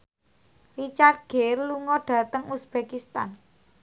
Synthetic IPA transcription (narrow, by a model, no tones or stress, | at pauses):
rit͡ʃart̪̚ɡ̥erluŋɔɖ̥ä̤t̪əŋusb̥ekist̪a̰n